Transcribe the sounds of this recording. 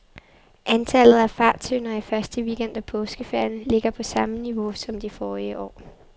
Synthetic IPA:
ʔænt͡sʰæl̰ð̞̩ˠæfɑ̈ːt͡sʰønɐifɶɐsd̥əʋiːɡ̥en̰d̥æpʰɔ̽ːsɡ̥əfeɐ̰n̩le̝ɡ̥ɐpʰɒ̽sɑ̈məniʋo̝sɒ̽md̥ifɒːiəʔɒ̰ː

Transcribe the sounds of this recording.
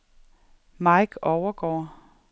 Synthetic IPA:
mɑ̈ɪɡ̥ɒʊɐɡ̥ɒ̰ː

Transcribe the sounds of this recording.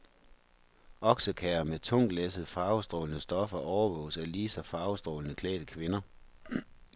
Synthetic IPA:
ʔɒ̽ɡ̥səkʰɛːɐmet͡sʰɔ̽ŋ̰d̥lesəð̩ˠəfɑ̈ːʊsd̥ʁɔ̰ːlənəsd̥ɒ̽fɐʔɒʊɐʋɔ̰̽ːʊsæliːsɒfɑ̈ːʊsd̥ʁɔ̰ːlənəkʰlɛ̰ːd̥əkʰʋe̝nɐ

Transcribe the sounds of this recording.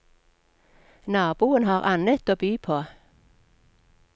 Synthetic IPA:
nɑːb̥uːənhɑːʁɑnət̪oːbyːpʰoː

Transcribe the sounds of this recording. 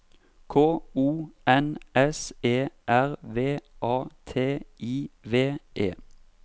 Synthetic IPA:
kʰoːuːɛnɛseːʔæʁʋeːʔɑːt̪ʰeːʔiːʋeːʔeː

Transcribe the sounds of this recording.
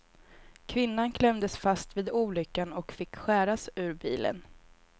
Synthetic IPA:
kʰvɪnːankʰlɛmd̪əsfast̪viːd̪uːlʏkːanɔkfɪkːɧæːɾasʉ̟ːɾbiːlə̰n

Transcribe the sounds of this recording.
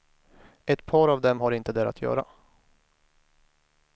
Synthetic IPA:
ɛt̪pʰɑːɾavd̪ɛmɦaɾɪnt̪əd̪ɛɾa̰t̪ʰjœ̰ːɾa̰

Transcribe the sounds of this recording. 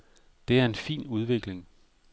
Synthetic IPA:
d̥e̝æɐe̝nfḭːnuð̞ˠʋe̝ɡ̥le̝ŋ

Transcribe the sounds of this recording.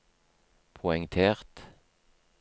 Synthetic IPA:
pʰʊɛŋt̪ʰeːʁt̪

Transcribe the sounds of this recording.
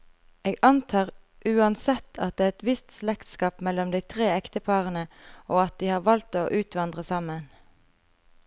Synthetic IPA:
eːɡɑnt̪ʰɑːʁ | ʔʉːɑnsɛt̪ʰːɑt̪̚d̪eːʁɛt̪ʋɪst̪slɛkt̪skɑːpmɛlɔmd̪æɪt̪ʰʁeːɛkt̪əpʰɑʁənəoːɑt̪̚d̪iːhɑːʁʋɑlt̪oːʔʉːt̪ʰʋɑnd̪ʁəsɑmən

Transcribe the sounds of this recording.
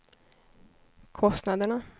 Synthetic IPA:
kʰɔst̪nad̪əɳa

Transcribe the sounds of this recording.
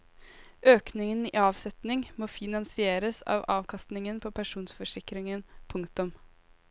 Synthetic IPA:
ʔøːknɪŋənḭːɑːʋsɛt̪nɪŋmoːfɪnɑnsɪeːɾəsɑ̰ːʋɑːʋkʰɑst̪nɪŋənpʰoːpʰæʂuːnsfɔʂɪkɾɪŋənpʰʊŋkt̪ʊm

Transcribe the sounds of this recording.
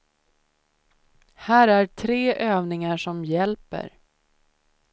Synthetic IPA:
hæːɾæʈʰɾeːʔøːvnɪŋaʂɔmjɛlpə̰ɾ

